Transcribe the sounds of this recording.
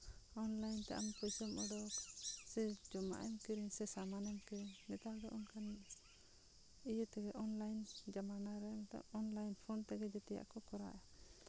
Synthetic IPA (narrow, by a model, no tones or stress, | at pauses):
ɔnlajnt̪ɛ̰ʔa̰mpɔjsɔmɔɖɔksɛd͡ʒɔma̰ʔɛmkiɾiŋsɛsamanɛmkiɾiŋnɛt̪adɔʔɔŋkan | ijət̪ɛɡɛʔɔnlajnd͡ʒamanaɾɛmt̪ɔ̰ɔnlajnpʰɔnt̪ɛɡɛd͡ʒɔt̪ɛja̰ʔkɔkɔɾa̰ʔɛ